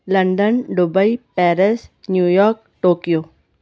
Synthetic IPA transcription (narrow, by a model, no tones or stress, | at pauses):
lɐɳɖənɖubəipɛːɾɪsnjuːjɔːɾk̚ | ʈoːkijoː